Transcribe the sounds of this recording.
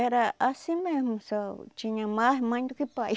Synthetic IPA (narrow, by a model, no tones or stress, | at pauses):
eɾaasimehmusat͡ʃiɲãmahmãnt̪ukipaj